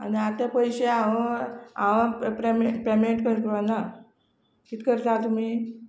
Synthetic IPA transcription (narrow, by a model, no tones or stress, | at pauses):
a̰niat̪apəjɕeaʋəaʋãpɾempɾemieʈkəɾkiʋana | kit̪kəɾt̪at̪um̤iː